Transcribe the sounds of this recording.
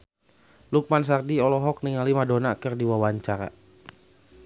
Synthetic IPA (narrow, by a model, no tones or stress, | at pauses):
luk̚mans̬ardiɔlɔɦɔk̚niŋalimadɔnakərdiwawaɲt͡ʃaɾa̰